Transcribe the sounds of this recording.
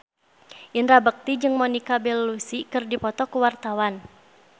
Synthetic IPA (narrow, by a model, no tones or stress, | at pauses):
ʔinɾabək̚t̪id͡ʒɨŋmɔnikabɛlːusikɨrdipɔt̪ɔkuwart̪awan